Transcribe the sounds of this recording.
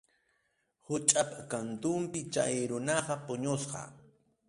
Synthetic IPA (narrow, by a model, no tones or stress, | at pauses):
hʊt͡ʃʼapakant̪ʊmpɪt͡ʃa̰jɾʊnɑqɑpʊɲosqɑ̰